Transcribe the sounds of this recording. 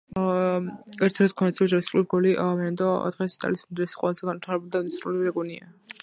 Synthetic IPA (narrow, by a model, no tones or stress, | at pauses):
ɛɾt̪ʰɾɛskʰɔnɛt̪sʰiɛd͡ʒaɾiskʼluɾɡɔliʔvɛnɛnd̪ɔɔ̰t̪ʁɛsit̪ʼa̰lismɛnd̪ɾɛsi̥qʼwɛ̰lˠazɛɡanvit̪ʰaɾɛbulid̪ad̪ɛsɾuliɾɛɡunia